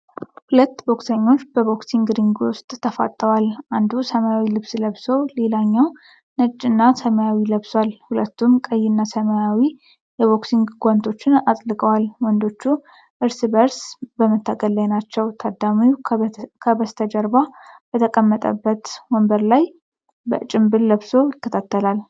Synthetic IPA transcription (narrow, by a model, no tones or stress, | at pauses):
hulət̪ːbo̞ksəɲːo̞t͡ʃːb̥əbo̞ksiŋɡɾiŋɡʊst̪ʼːʰəfa̰t̪ʼːəwalʔand̪usəmajawilɨβsləβsəwle̞laɲːaw | nɨd͡ʒːɨnːasəmajawiləβswalhulət̪ʰːumkʼəjːɪnːasəmajawi | jɛβoksiŋɡɡʷant̪ʰo̞t͡ʃːɪnat̪ʼlɨkʼəwalwɔnd̪o̞t͡ʃːu | ʔɨɾsbəɾsbəmət̪ʰːaɡəlːajnat͡ʃːɛwt̪ʰad̪amijukʰəbəst̪ʰəd͡ʒəɾbab̥ət̪ʰəkʼəmːət̪ʼə̰bːət̪wɔmbəɾlaj | bə̰t͡ʃʼɪmbɨlːəβso̞jɪkːət̪ʰat̪ʰːəlal